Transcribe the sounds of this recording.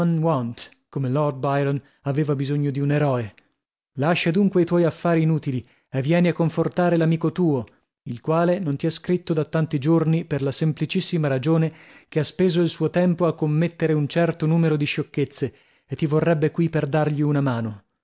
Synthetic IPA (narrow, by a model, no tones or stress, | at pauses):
nwɔnt̪ | komelɔrd̪̚bajɾɔn | aveːvabizoɲːod̪iuneɾɔːe | laʃːad̪uŋkweit̪wɔjafːaːɾiːnuːt̪ili | evːjɛːneakːoɱfort̪aːɾelamiːkot̪uːo | ilkwaːlenont̪iɛskɾit̪ːod̪at̪ːant̪id͡ʒorniperlasemplit͡ʃisːimaɾad͡ʒoːnekeaspeːzoilsuːot̪ɛmpoakːomːet̪ːeɾeunt͡ʃɛrt̪onuːmeɾod̪iʃokːet̪sːe | et̪ːivorːɛbːekwiperd̪arʎiunamaːno